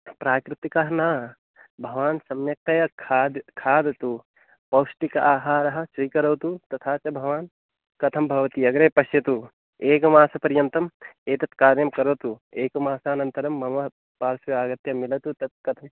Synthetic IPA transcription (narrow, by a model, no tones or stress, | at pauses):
pɾaːkɾɪt̪ikɐɦɐnaː | bʱɐʋaːnsɐmjɐk̚t̪ɐjɐkʰaːd̪kʰaːd̪t̪u | pɐwsʈikɐʔaːɦaːɾɐɦɐ̆suikɐɾoːt̪ut̪ɐt̪ʰaːt͡ʃɐbʱɐʋaːn | kɐt̪ʰɐmbʱɐʋɐt̪iɐɡɾeːpɐʃjɐt̪u | eːkɐmaːsɐpɐɾjɐnt̪ɐmeːt̪ɐt̪kaːɾjɐmkɐɾoːt̪ueːkɐmaːsaɐnɐnt̪ɐɾɐmːɐmɐ | paːɾsjuaːɡɐt̪jɐmilɐt̪ut̪ɐt̪̚kɐt̪ʰɐm